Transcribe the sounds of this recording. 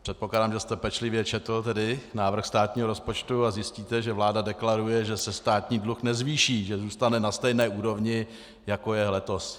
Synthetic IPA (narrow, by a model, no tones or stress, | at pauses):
pr̥ɛt̪̚poklaːdaːmʒɛst̪ɛpɛt͡ʃlɪvjɛt͡ʃɛt̪l̩t̪ɛdɪnaːvr̩xst̪aːt̪ɲiːɦoɾospo̞t͡ʃt̪uazjɪsciːt̪ɛʒɛvlaːdadɛklaɾujɛʒɛsɛst̪aːt̪ɲiːdluxnɛzviːʃiːʒɛzuːst̪anɛnast̪ɛjnɛːʔuːɾo̞vɲɪ | jako̞jɛlɛt̪o̞s